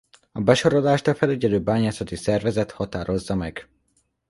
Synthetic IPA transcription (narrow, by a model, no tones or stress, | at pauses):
ɒbɛʃo̞ɾod̪aːʃt̪ɒfɛlɛɟɛløːbaːɲaːsɒt̪isɛrvɛzɛt̪hɒt̪aːɾo̞zːɒmɛɡ̥